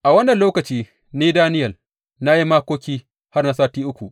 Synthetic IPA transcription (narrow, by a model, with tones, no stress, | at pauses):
ʔa˨wɐ˦nːɐ˨nloː˦kɐ˨t͡ʃiː˦ | niː˦daː˦nɪ˦jɐ˨l | na˦ji˦maː˦kʷoː˦kʲiː˦ | ha˦rna˦saː˦tiː˦ʔʊ˦kʷu˨ʔ